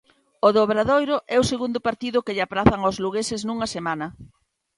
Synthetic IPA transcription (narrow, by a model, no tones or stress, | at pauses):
ʊðoβɾaðojɾʊʔɛʊseɣund̪ʊpaɾt̪iðʊkeʎapɾaθɐŋozluɣesɪsnuŋɐsemanɐ